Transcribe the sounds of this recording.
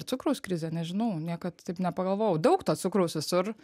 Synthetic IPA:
t̪ʊkɾoʊskɾʲɪzʲɛnʲɛʒʲɪnɐʊnʲiɛkɐt̪t̪ɐɪpnʲɛpɐɡɐlˠʋoːjɛʊd̪ɐʊkt̪ɐsʊkɾoʊsʋʲɪsʊr

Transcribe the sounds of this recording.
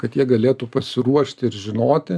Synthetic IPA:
kɐt̪jiɛɡɐlʲeːt̪uːpɐsʲɪɾuɔʃʲt̪ʲɪɪɾʒʲɪnoːt̪ʲɪ

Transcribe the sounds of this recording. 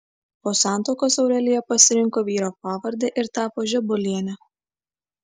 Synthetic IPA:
poːsɑˑnˑt̪oːkoːsɒʊɾʲɛlʲɪjɛpɐsʲɪɾʲɪŋkoːʋʲiːɾoːp̚ɑːʋɐɾʲd̪ʲeːʔɪɾt̪ɑːpoːʒʲɛbʊlʲiɛnʲɛ

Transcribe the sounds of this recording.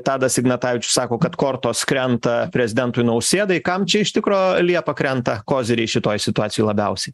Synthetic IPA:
t̪ɑːd̪ɐsʲɪɡnɐt̪ɑːʋʲɪt͡ʃʲʊ̥sɑːkoːkɐt̪koːɾt̪oːskɾʲɛnt̪ɐpʲɾʲɛzʲɪd̪ʲɛnt̪ʊjnɐʊsʲeːd̪ɐɪkɐmt͡ʃʲɛɪʃt̪ʲɪkɾoːlʲiɛpɐkɾʲɛnt̪ɐkoːzʲɪɾʲɛɪʃʲɪt̪oːjsʲɪt̪ʊɑːsʲɪjoɪlˠɐbʲɛʊsʲɛɪ

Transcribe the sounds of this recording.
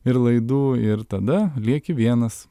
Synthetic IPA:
ɪɾlˠɐɪd̪uːɪɾt̪ɐd̪ɐlʲiɛkʲɪʋʲiɛnɐs

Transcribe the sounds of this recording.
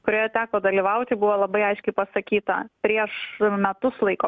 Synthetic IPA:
kʊɾʲoːjɛt̪ʲæːkoːd̪ɐlʲiʋɐʊt̪ʲɪbʊʋoːlˠɐbɐɪɐɪʃʲkʲɛɪpɐsɐkʲiːt̪ɐ̰pʲɾʲiɛʃmʲɛt̪ʊslˠɐɪkoː

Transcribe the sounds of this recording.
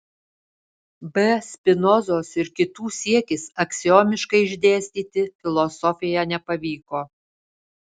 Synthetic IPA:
bʲɛsʲpʲɪnɔzoːsɪɾkʲɪt̪uːsʲiɛkʲɪsɐksʲɪjoːmʲɪʃkɐɪɪʒʲd̪ʲeːsʲt̪ʲiːt̪ʲɪfʲɪlˠɔsɔfʲɪjɛnʲɛpɐʋʲiːkoː

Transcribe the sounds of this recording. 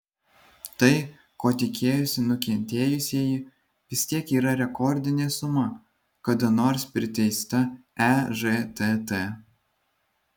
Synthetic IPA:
t̪ɐɪ | koːt̪ʲɪkʲʰeːjʊsʲɪnʊkʲɛnʲt̪ʲeːjʊsʲeːji | ʋʲɪsʲt̪ʲiɛkiːɾɐɾʲɛkɔɾʲd̪ʲɪnʲesʊmɐ | kɐd̪ɐnoːɾspʲɾʲɪt̪ʲɛɪst̪ɐɛʒet̪et̪e

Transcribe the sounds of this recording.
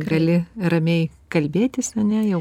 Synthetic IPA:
ɡɐlʲɪrɐmʲɛɪkɐlʲbʲeːt̪ʲɪsɐnʲɛjɛʊ

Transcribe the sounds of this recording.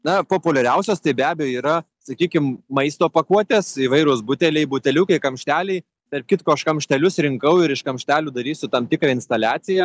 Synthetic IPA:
nɐpoːpʊlʲɛɾʲɛʊsʲoːst̪ɐɪbʲæːbʲɛjoːiːɾɐ | sɐkʲiːkʲɪmmɐɪst̪oːpɐkuɔt̪ʲeːsiːʋɐɪɾoːsbʊt̪ʲɛlʲɛɪbʊt̪ʲɛlʲuːkɐɪkɐmʲʃʲt̪ʲæːlʲɛɪ | t̪ɐrp̚ʲkʲɪt̪koːʃkɐmʲʃʲt̪ʲɛlʲʊsɾʲɪŋkɐʊɪɾɪʃkɐmʲʃʲt̪ʲæːlʲuːd̪ɐɾʲiːsʲʊt̪ɐmt̪ʲɪkɾɐɪnst̪ɐlʲæːt͡s̪ʲɪjɛ

